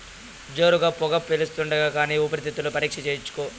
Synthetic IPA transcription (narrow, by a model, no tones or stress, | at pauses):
d͡ʒo̞ːɾuɡaːpɔɡɐpːelust̪uɳɖɐɡaːkaːniːupɐɾit̪it̪ːulupɐɾiːkʂɐt͡ʃeːjut͡ʃːu̥koː